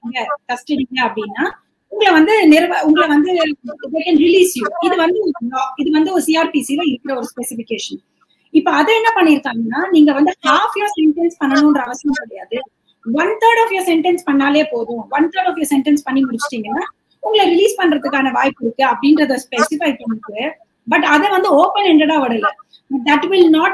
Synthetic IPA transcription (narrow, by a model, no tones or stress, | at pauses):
ŋɡɐt̪ɐsʈɪɽiːŋɡɐːpːɐɽɪnːaː | ʊŋɡɐɭɐʋɐnd̪ɯnɪɾɐʋʊŋɡɐɭɐʋɐnd̪ɯʋekɛnɾɪliːsjuːɪðɯʋɐnd̪ɯɾlɔːɪðɯʋɐnd̪ɯɔɾɯsiːaːɾpiːsilɐ̃ːɪɾɯkːɪɾɐɔɾɯspɛsɪfɪkeːʂɐn | ɪpːoɐðɐɛnːɐpɐɳːɪɪɾɯkːaːŋɡɐnːaːniːŋɡɐʋɐnd̪ɯhaːfjɐːɾsɛɳʈɛnspɐɳːɐnʊ̃ɛndɾɐɐʋɐsɐnɐ̃mkɐɽɐjaːðɯ | ʋɐnt̪ʰɐɾɽɔːfjɐːɾsɛɳʈɛnspɐɳːaːleːpoːðʊ̃ʋɐnt̪ʰəɾɽɔːfjɔɾsɛɳʈɐnspɐɳːimʊɽɪt͡ʃːɪ̥ʈːiːŋɡɐ | ʊŋɡɐɭɐɾɪliːspɐɳːɾɐðɯkːaːnɐʋa̰ːjɪpːɪɾɯkːɯɐpːɐɽɪnɾɐðɐspɛsɪfɐɪpɐɳːɪkːɯ | bɐʈːɐðɛʋɐnd̪ɯoːpɛnɛɳɖɛɽãːʋɐɽɐlɐ | bɐʈ̚d̪ɐʈʋɪlnaːʈ